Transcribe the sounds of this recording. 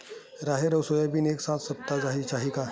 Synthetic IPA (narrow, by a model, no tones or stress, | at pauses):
ɾaɦeɾəwsojabiːneksãt͡ssəp̚t̪ad͡zaɦit͡ɕaɦika